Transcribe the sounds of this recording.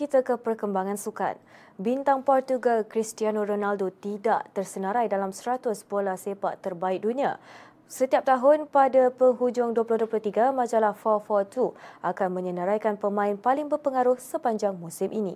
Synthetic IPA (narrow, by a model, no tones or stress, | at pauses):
kit̪akəpərkəmbaŋãnsuka̰n | bint̪aŋpɔrt̪uɡalkɾist̪ianoɾonaldot̪ida̰ʔt̪ərsənaɾajdalamsəɾat̪ʊspolahsepaʔt̪ərbaɪk̚dunia̰ | sət̪iap̚t̪aɦʊnpadapəŋɦud͡ʒʊŋduəplʊhduəplʊht̪iɡamãd͡ʒalahfɔfɔt̪uʔakanmə̃ɲənəɾajkanpəmãɪnpalɪŋbərpəŋaɾʊhsəpaɲd͡ʒaŋmusɪmʔinḭ̃